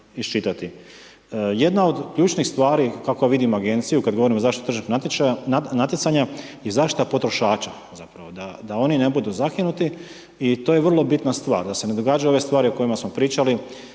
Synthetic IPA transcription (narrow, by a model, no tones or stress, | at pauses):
ist͡ʃit̪at̪i | je̞d̪nao̞d̪kʎuːt͡ʃnixst̪ʋaːɾikakojaʋid̪imaɡe̞nt̪sijukad̪ɡo̞ʋo̞ɾimo̞zaːʃt̪it̪ot̪r̩ʒi | nat̪jet̪saɲajezaːʃt̪i̥t̪apo̞t̪ɾo̞ʃaːt͡ʃa̰ | zapɾaʋo̞d̪ad̪ao̞nine̞bud̪uzakinut̪i | it̪oːjeʋr̩lˠo̞bit̪nast̪ʋa̰ːɾd̪ase̞ne̞d̪o̞ɡaːd͡ʒajuo̞ʋe̞st̪ʋaːɾio̞ko̞jimasmo̞pɾiːt͡ʃali